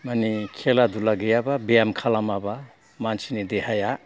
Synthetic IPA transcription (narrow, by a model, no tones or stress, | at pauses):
manikʰeladulaɡejababeamkʰalamaba | mansinidehaja